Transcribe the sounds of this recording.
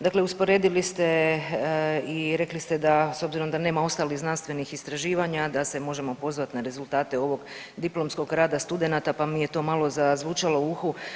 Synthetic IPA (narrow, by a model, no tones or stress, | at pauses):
d̪akle̞uspoɾe̞ːd̪ilist̪e̞ | iɾe̞klist̪e̞d̪aso̞bziɾo̞md̪ane̞ːmao̞st̪aliɣznanst̪ʋe̞nixist̪ɾaʒiːʋaɲad̪ase̞mo̞ʒe̞mo̞po̞zʋat̪naɾe̞zulˠt̪aːt̪e̞o̞ʋo̞ɡ | d̪iplo̞msko̞ɡɾaːd̪ast̪ud̪e̞nat̪apamije̞t̪o̞malozazʋuːt͡ʃalˠo̞uxu